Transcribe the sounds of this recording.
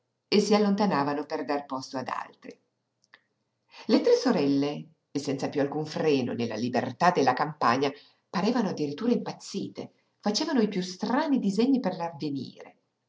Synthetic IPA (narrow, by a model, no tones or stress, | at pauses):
esːialːont̪anaːvanoperd̪arpɔst̪oad̪a̰lt̪ɾi | let̪ɾesːoɾɛlːeː | sːɛnt̪sapjualkuɱfɾɛːno̰nelːa̰libḛrt̪ad̪ːelːakampa̰ɲa | paɾɛːvanoad̪ːiɾit̪ːuːɾaimpat̪sːiːt̪e | fat͡ʃeːvanoipjust̪ɾaːnid̪izɛɲːiperlarvenḭːɾḛ